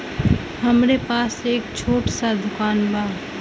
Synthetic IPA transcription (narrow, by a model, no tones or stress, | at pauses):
həmɾepaːseːkt͡ʃʰoːʈsad̪ʱʊkaːnbʱaː